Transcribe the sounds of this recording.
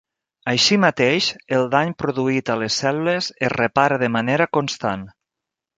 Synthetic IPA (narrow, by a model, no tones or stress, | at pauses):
əjʃimat̪eʃəlˠd̪aɲpɾoðuit̪əlesːɛlulezerepaɾəðəmaneɾəkonst̪an